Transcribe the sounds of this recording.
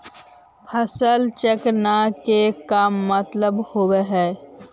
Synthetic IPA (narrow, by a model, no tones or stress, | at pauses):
həsəlt͡ʃəknakekaːmːət̪ləbhoweɦɛː